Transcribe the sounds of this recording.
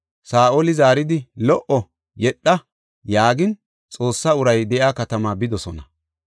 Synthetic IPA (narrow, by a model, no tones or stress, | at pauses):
saːʔoːlɪzaːɾɪd̪ɪlɔʔɔ | jɛɗːɐ | jaːɡɪn | t͡sʼo̞ːsːaʊɾɐjd̪ɛʔaːkɐt̪ɐmaːbɪd̪ɔsɔnɐ